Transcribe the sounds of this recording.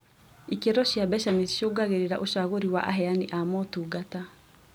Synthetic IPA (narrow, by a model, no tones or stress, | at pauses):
ikeɾɔɕjabɛʃamisʃoɡaɣeɾeɾaʔoʃaɣoɾiwaʔa̰ɦɛaniʔamɔtuːɡata